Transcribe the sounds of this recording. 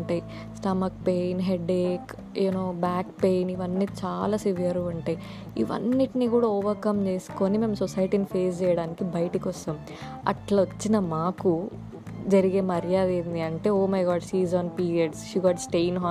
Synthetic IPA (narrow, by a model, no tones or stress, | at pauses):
ɳʈɐj | sʈɐmɐk̚pejnɦeɖeːk | eːnoːbaːkpejniʋɐnːit͡ʃaːlaːsiʋijɐɾuɐɳʈɐj | ḭʋɐ̰nːiʈiniɡuːɽaːɔːʋɐɾkɐmt͡ʃe̞ːsu̥koːnimeːmsɔsɐjʈinipʰe̞ːs̬t͡ʃɛːjɐɽaːnikibɐjɐʈikɔsɐm | ɐ̰ʈlɐʋɐt͡ʃːinɐmaːku | d͡ʒɐɾiɡeːmɐɾjaːd̪eːnd̪iɐɳʈe̞ːoːmɐjɡaːɖsiːzaːnpiːɾijɐɖsʃuɡaːɖsʈejnɦaː